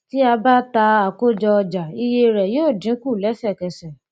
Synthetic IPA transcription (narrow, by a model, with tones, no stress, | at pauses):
ti˦a˧ba˦ta˧a˨ko˦˨d͡ʒɔ˧ɔ˧d͡ʒa˨i˧je˧ɾɛ˨joː˦˨dĩ˨˦ku˦˨lɛ˨˦sɛ˦˨kɛ˨sɛ˨